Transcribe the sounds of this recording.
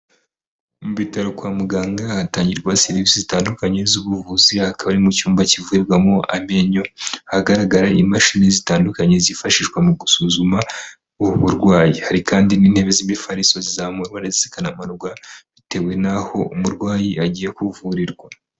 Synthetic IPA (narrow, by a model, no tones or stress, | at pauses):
muβitaɾokwaːmuɡaːŋɡaataːɲɟiɾɡwaseɾiisizitaːndukaɲe̞zuβuvuzihakaβaɾimucuːmbacivuɾiɾɡwamoʔame̞ɲo̞haɡaɾaɡaɾaʔimaʃiːnezitaːndukaɲe̞zifaʃiʒɡwamuɡusuzuma | uhuβuɾɡwaːjihaɾikaːndiniːnhe̞ːβezimifaɾisozizamuɾɡwaɾezisi̥kanamanɡwaβite̞we̞naho̞umuɾɡwaːjiaɟiːjekuvuɾiɾɡwa